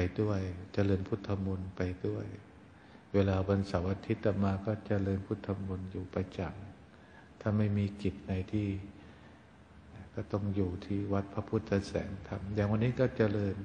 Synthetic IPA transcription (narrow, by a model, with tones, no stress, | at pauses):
a˧jdu˥˩əjt͡ɕa˧lɤː˧npʰu˦˥˩t̪ʰːa˧mu˧npa˧jdu˥˩əj | weː˧laː˧ba˧nsa˨˩˦wʔa˧t̪ʰi˦˥t̪ːa˧˩maː˧kɔː˥˩t͡ɕa˨lɤː˧npʰu˥˩t̪ʰːa˧mːu˧njuː˨˩pa˧jt͡ɕa˨˩ŋ | t̪ʰaː˥˩ma˥˩jmiː˧ki˨˩p̚na˧jt̪ʰiː˥˩ | kɔː˥˩t̪ɔ˥˩ŋjuː˨˩t̪ʰiː˥˩wa˦˥t̪̚pʰa˧˥pʰuː˥˩t̪̚sa˧sɛ̰ː˩˦ŋt̪ʰa˧mjaː˨˩ŋwa˧nːiː˦˥kɔː˥˩t͡ɕa˨˧lɤː˧n